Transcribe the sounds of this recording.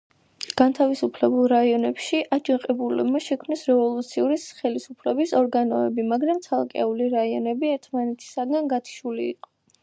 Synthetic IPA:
ɡ̥ant̪ʰavisupʰlɛbulˠɾaiɔnɛpʃiʔad͡ʒʼiqʼɛbulɛbmaʃɛkʰmnisɾɛvɔlˠut̪sʰiuɾisχɛlisupʰlɛbisɔɾɡanɔɛbimaɡɾamt̪sʰalˠkʼɛuliɾaiɔnɛbiɛɾt̪ʰmanɛt̪ʰi̥saɡanɡat̪ʰi̥ʃulḭːqʼɔ̥

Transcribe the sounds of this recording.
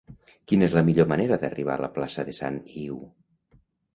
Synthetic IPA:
kinezləmiʎomaneɾəðəriβ̞a̰ləplasəðesa̰niw

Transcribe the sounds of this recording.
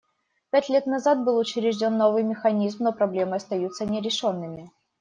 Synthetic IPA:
pʲætʲlʲe̞t̪nɐzat̪̚bɨlˠʊt͡ɕɪɾʲɪʐdʲo̞nːo̞vɨjmʲɪxɐnʲizmnopɾɐblʲe̞mɨɐst̪ɐjut̪sənʲɪɾʲɪʂo̞nːɨmʲɪ

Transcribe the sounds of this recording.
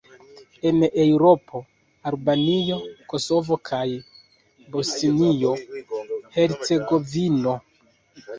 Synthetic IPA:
e̞ne̞wɾopʰo̞ | albanijo̞ko̞so̞vo̞kʰaj | bosinijo̞ | he̞ɾt͡se̞ɡo̞vino̞

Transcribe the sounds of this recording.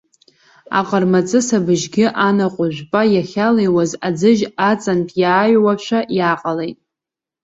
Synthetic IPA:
a̰qʼərmat͡sʼɨsabɨʒɡʲɪʔanaqʷʼʊʒᶣʷpʼajaχʲalejwazad͡zɨʒat͡sʼantʼʰjaːjwaʃʷᶣajaːqʼalejtʼ

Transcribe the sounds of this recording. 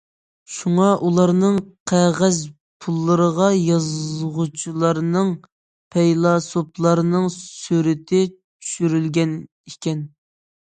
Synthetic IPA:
ʃuŋɑʔulˠɑɾnɨŋqʰæʁæz | pʰulˠːəɾəʁɑjɑzʁut͡ʃʰilˠɑɾnɨŋ | pʰɛjlˠɑsoplˠɑɾnɨŋsyɾɪt̪ʰɪ | t͡ʃʰy̥ʃyɾylɡʲɛn | ikʲɛn

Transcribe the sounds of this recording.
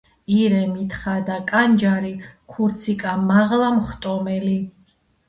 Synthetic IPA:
iɾɛmit̪ʰχad̪akʼand͡ʒaɾikʰuɾt̪sʰikʼamaʁlamχt̪ʼɔmɛli

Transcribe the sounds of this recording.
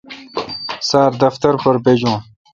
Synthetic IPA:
saːɾd̪ɐft̪ɐɾpɐɾbed͡ʑũː

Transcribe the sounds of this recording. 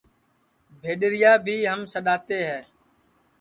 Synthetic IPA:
bʱeːɗɾɪjaːbʱiːɦəmsəɗaːt̪eːɦɛː

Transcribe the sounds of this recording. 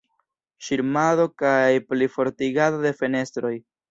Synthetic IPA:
ʃiɾmado̞kajplifo̞ɾtiɡadode̞fe̞ne̞stɾo̞j

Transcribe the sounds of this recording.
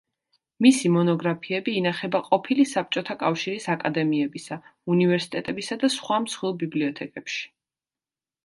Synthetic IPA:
misimɔnɔɡɾapʰiɛbiːnaχɛbaqʼɔpʰilisap̚t͡ʃʼɔt̪ʰakʼafʃiɾisakʼad̪ɛmiɛbisaunivɛɾsi̥t̪ʼɛt̪ʼɛbisad̪asχwamsχwilˠbibliɔt̪ʰɛkʼɛpʃi̥

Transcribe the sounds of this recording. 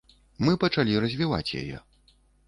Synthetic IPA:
mɨpɐt͡ʂalʲirɐzʲvʲiva̰t͡sʲja̰jɛ̰

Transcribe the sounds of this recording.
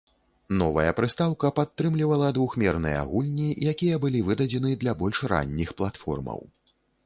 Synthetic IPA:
nɔvɐ̰jɐpɾɨst̪awkɐpat̪ːɾɨmlʲivɐlˠɐd̪vuxmʲɛrnɨjɛa̰ɣulʲnʲijakʲijɐbɨlʲivɨd̪ɐd͡zʲɛn̪ɨd̪lʲabɔlʲʂɾa̰nʲːixplˠat̪fɔ̰rmɐ̰w

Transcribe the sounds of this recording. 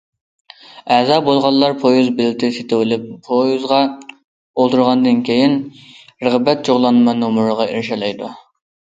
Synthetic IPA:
ɛzɑːbolˠʁɑlːˠɑɾpʰojuzbɪlt̪ʰɪset̪ɪwɪlɪp̚ʰːojuzʁɑ | olˠt̪ʰuɾʁɑnd̪ɨnkʲʰejinɾəʁbɛt̪̚d͡ʒoʁlˠɑnmɑnːumuɾəʁɑiɾʃɑlˠɑjd̪u

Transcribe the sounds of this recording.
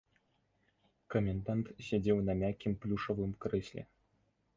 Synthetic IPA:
komʲend̪ɑnt̪ɕʲedʲewnɐmʲakʲimplʲuʂoʋɨmkrɨɕʲlʲḛ

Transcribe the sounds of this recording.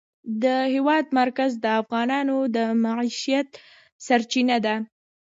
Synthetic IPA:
d̪əhɪwɑd̪maɾkazd̪əafɣɑnɑnod̪əmaʕiʃijat̪ | saɾt͡ʃinad̪a

